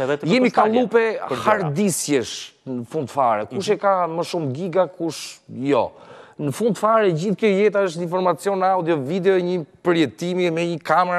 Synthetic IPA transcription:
ɛðɛt̪jɛmikalˠupɛhaɾd̪isjɛʃnəfũnd̪̚t̪ə̥faɾɛkuʃ̬ɛkaməʃumɡiɡakuʃjɔ̰nəfũnd̪t̪əfaɾɛd͡ʑiθkjɔjɛt̪̬aəʃ̬t̪ĩnfɔɾmat͡sjɔnawd̪jɔvid̪ɛɔɛɲipəɾjɛt̪imiɛmɛɲəkamɛɾa

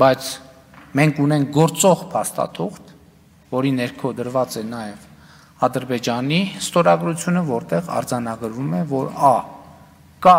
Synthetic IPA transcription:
bɑjt͡sʰ | mɛŋkʰunɛŋk̚ɡɔɾt͡sɔʁpʰɑst̪ɑ̰t̪ʰuχt̪ | vɔɾinɛɾkʰɔd̪əɾvɑt͡sɛnɑjɛv | ɑd̪əɾbɛd͡ʒɑnist̪ɔɾɑɡɾut͡sʰjunəvɔɾt̪ɛʁɑ̰ɾd͡zɑnɑɡəɾvumɛvɔɾɑ | kɑ

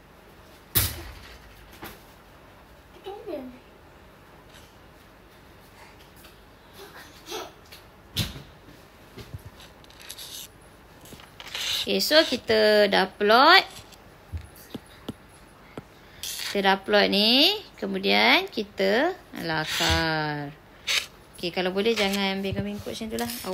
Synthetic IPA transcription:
okesokit̪ədaplɔt̪̚ | ki̥t̪ədaplɔt̪̚nikəmudiankit̪əlakar | okekalawbolɛhd͡ʒaŋãnəmbekamiŋkʊʔsint̪ulaha

